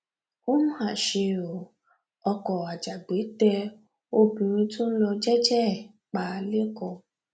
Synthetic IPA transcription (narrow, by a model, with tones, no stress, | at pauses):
o˦mũ˦ha˨ʃe˧o˨ | ɔ˧kɔ˨a˨d͡ʒa˨ɡ͡be˨˦tɛ˧ | o˦bĩ˧ɾ̃ĩ˧tũ˦n̩˦lɔ˧d͡ʒɛ˦d͡ʒɛ˦˨ | k͡pa˨le˦kɔ˧